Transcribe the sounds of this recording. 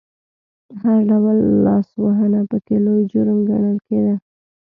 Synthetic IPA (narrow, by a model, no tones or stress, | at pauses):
d̪əhaɾɖawəlːɑswaɦənapəkelojd͡ʒʊɾmɡaɳəlked̪a